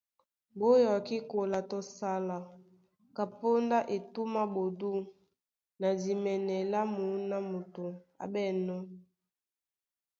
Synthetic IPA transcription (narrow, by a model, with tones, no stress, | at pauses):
bo˦jɔ˨ki˦ko˨la˨to˦sa˦la˨ | ka˨po˦nda˦ʔe˨tu˦ma˦bo˨du˦ | na˨di˨mɛ˨nɛ˨la˦mu˨˦na˦mo˨to˨a̰˨bɛ˦˨nɔ˦